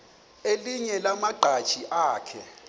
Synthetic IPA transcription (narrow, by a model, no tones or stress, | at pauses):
eliɲɛlamaɡ͡ǃʱad̥t͡ʃiʔaːkʰɛ